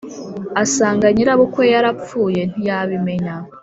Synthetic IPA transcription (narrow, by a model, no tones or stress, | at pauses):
asaːŋɡaɲiɾaβokwo̞jaɾap͡fuːje̞n̥ijaβime̞ɲa